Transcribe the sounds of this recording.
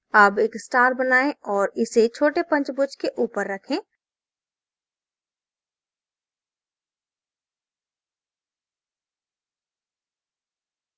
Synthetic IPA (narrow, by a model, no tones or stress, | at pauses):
əbeːksʈaːɾbənaːẽɔːɾɪset͡ʃʰoːʈepɐ̃nt͡ʃbʊd͡ʒkeʔuːpəɾːɐkʰẽː